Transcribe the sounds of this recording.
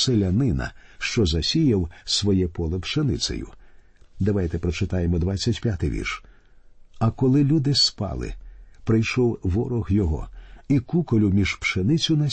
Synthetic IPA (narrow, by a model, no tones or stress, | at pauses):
selʲɐnɪnɐ̰ʃt͡ʃɔzɐsʲijɐwsʋɔjɛpɔlˠɛpʃenɪ̰sɛ̰jʊ̰ | d̪ɐʋajt̪ɛpɾɔt͡ʃɪt̪ɑjemɔd̪ʋat͡st͡sʲːɐtʲpʲjat̪ɪjʋʲḭrʃ | ɐkɔlˠɪlʲud̪ɪspɑ̰lˠɪ̰pɾɪjʃɔwʋɔɾɔɣjɔɦɔ̰ikukɔlʲʊmʲiʒpʃenɪt͡sʲʊnɐ